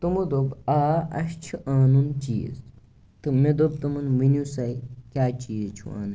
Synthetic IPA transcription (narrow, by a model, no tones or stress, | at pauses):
t̪umɐd̪obaːɐʃt͡ʃʰuʔaːnunt͡ʃiːz | t̪ɨmed̪ob̚t̪umɐnʋinʲusɐjkʲaːt͡ʃiːzt͡ʃʰṵa̰ːnu